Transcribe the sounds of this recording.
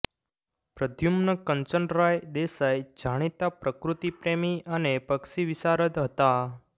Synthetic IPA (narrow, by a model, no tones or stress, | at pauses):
pɾəd̪ʱjumnəkəɲt͡ʃəɳɖɾajd̪esajd͡ʒʱaɽ̃it̪apɾəkɾut̪ipɾemiʔənepəkʃiʋisaɾəd̪ɦət̪a